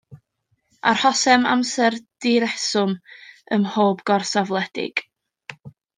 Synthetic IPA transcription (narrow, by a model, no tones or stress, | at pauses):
a̰rhɔsɛma̰msɛrd̥ɪɾɛsʊməmhoːbɡ̥ɔrsavlˠɛdɪ̰ɡ̥